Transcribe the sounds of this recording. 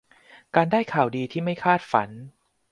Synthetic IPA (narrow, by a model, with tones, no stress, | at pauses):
kaː˧ndaː˥˩jkʰaː˨˩wdiː˧t̪ʰiː˥˩ma˥˩jkʰaː˥˩t̪̚fa̰˩˦n